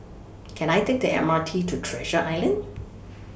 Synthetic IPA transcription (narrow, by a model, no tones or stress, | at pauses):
kʰɛ̃najtʰek̚diɛ̰matʰitʰutʰɹɛʒəʔaɪlə̃nd